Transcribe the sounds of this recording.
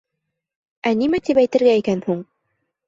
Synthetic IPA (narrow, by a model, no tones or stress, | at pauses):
ænimæt̪ipæjt̪ɘ̆ɾɡæikænhuɴ